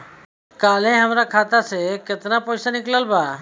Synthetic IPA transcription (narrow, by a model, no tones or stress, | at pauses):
kalẽɦəmɾakʰat̪aseket̪napɔjsaniklalba